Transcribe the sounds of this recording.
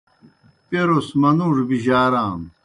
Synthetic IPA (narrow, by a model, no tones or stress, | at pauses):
peɾosmɐnũːʐbiʑaːɾaːm